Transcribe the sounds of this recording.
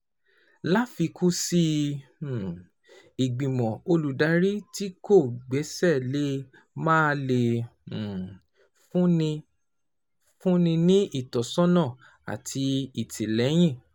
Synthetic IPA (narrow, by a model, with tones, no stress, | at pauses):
la˦fi˧kʰu˦si˧˨ | i˨ɡ͡bĩ˨mɔ̃˨o˧lu˨da˨˦ɾi˦ti˦ko˦˨ɡ͡bɛ˨˦sɛ˦˨le˦ | mãː˦le˨ | fũ˦nĩ˧ | fũ˦nĩ˧nĩ˦i˦˨tɔ˨sɔ̃˦nã˦˨ | a̰˨tʰi˧i˨tʰi˨lɛ˨˦j̃ĩ˦˨